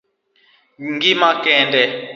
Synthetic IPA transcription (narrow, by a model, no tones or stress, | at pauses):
ŋɡimakɛːndʱʼɛ